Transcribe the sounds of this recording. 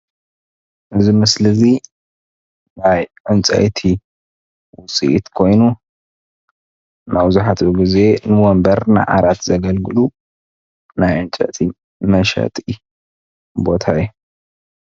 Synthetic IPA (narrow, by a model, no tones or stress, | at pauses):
ʔɨzimɨslɨzi | najʕɨnt͡sʼɐ̰t̪ʰi | wʊsʼḭʔit̪kʰo̞jnu | mɐwzuħat̪ʰuɡize̞nɨwombɐɾna̰jʕa̰ɾat̪zɐɡɐlɡɨlu | najʕɨnt͡ʃʼɐ̰t̪ʰi | mɐʃɐ̰t̪ʼi | bo̞t̪ʰajːu